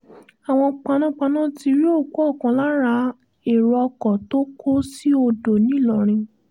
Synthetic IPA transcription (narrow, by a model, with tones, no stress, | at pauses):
a˨w̃ɔ̃˧k͡pa˧nũ˦k͡pa˧nã˦ti˧ɾi˦o˦˨ko˦ɔ˦˨kɔ̃˨˦la˦ɾa˧ | e˨ɾɔ˧ɔ˧kɔ˨to˦kʰo˦si˦o˧do˨nĩ˨˦˨lɔ˨ɾ̃ĩ˧